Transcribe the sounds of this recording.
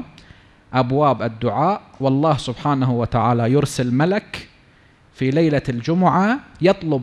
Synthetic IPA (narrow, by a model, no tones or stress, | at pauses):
ʔabwaːbɪd̪ːʊʕaːʔwɑlˤːɑːhsʊbħaːnahwat̪aʕaːlajʊɾsɪlmalak | filajlald͡ʒʊmʊʕajɑt̪ˤlʊb